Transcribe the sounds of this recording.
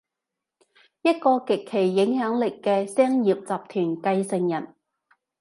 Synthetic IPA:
jɐ˥t̚kɔː˧kɪ˨kʰːe˨˩jːɪ˨˧˥ŋhœː˨˥ŋlɪ˨kːɛː˧sɛː˥ŋjiː˨˩p̚t͡saː˨p̚t̪ʰyː˨˩nkɐ˧jsɪ˨ŋjɐ˨˩n

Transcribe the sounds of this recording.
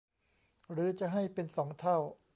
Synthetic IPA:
ɾɯː˩˦t͡ɕa˨˩ɦa˥˩jpe˧nsɔː˩˦ŋt̪ʰa˥˩w

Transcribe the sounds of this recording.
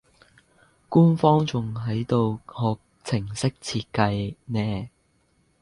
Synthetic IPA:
kuː˥nfɔː˥ŋt͡sʊ˨ŋɦɐ˨˥jt̪o˨˧whɔː˨˧k̚ | t͡sʰɪ˨˩ŋsɪ˥k̚t͡sʰiː˧t̚kɐ˧jnɛː˧

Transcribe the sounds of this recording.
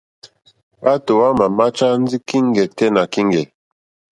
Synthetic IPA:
a˦to˨wa˦ma˨ma˦t͡ʃa˦n̩˦d͡zi˦ki˦ŋ˦ɡɛ˨tɛ˦na˨ki˦ŋɡɛ˨

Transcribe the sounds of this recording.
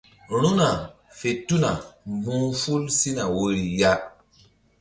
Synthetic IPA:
ɾ̃ũ˦na˨ | fe˨tu˦na˨mvũ˦fu˦lsi˦na˨wo˦ɾi˨ja˦

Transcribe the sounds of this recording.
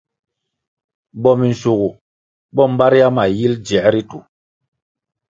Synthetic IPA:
ɓɔ˦mi˨n̩˨su˨ɣu˨ | ɓɔ˦˨m̩˦ɓa˦ɾi˦a˦ma˨ji˦ld͡ʒɛ˨˦ɾi˦tu˨

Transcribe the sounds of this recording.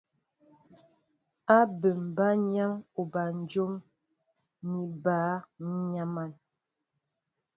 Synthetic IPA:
a˦bə˨m̩˨ba˦ɲa˦mo˨ba˨n˦d͡ʒo˦m | ni˨baː˨˦ɲa˦ma˦˨n

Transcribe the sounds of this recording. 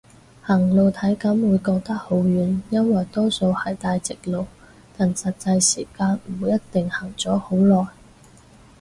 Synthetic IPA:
hɐ˨˩ŋlo˨wt̪ʰɐ˨˥jkɐ˨˥mwuː˨˧jkɔː˧k̚t̪ɐ˥k̚ho˨˥wjyː˨˥njɐ˥nwɐ˨jt̪ɔː˥so˧whɐ˨˩jt̪aː˧jt͡sɪ˨k̚lo˨˧w | t̪a˨nsɐ˨t̚t͡sɐ˧jsiː˨˩kaː˧nm̩˨jɐ˥tt̪ɪ˨ŋhɐ˨˩ŋt͡sɔː˨˥ho˨˥wlɔː˨j

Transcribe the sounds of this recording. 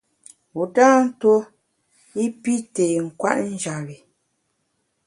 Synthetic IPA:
u˨daː˦n̩˦to˦ | i˦pi˦teː˨ŋ̩˨kwa̰˦ʔn̩˦d͡ʒa˨ɣi˨

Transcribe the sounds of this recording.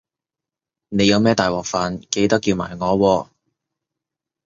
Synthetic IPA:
ne˨˧jɐ˨˧wmɛː˥t̪aː˨jwɔː˨k̚faː˨˧nke˧jt̪ɐ˥kːji˧wma̰ː˨˩jŋɔː˨˧wɔː˧

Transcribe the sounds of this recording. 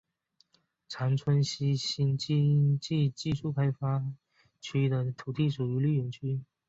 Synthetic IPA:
ʈ͡ʂʰa˧˥nt͡sʰwə˥nɕi˥ɕi˥nt͡ɕi˥˧t͡ɕi˥˧t͡ɕi˥˧ʂu˥˩kʰa˥ɪfa˥ | t͡ɕʰy˥d̪ə˨t̪ʰu˨˩t̪i˥˩ʂu˨˩y˧˥ly˥˩ɥɛ˧˥nt͡ɕʰy˥

